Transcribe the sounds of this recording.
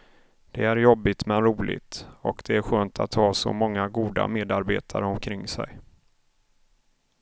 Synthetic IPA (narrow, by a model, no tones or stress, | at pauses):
d̪̥ɛæɾjɔbːɪt̪mɛnɾuːlɪ̰ɡt̪ɔkd̪̥ɛæɾɧøːnt̪ʰat̪hɑːsɔ̰mɔŋːaɡuːd̪a̰meːd̪aɾbeːt̪ʰaɾəɔmkʰɾɪŋːsɛ̰j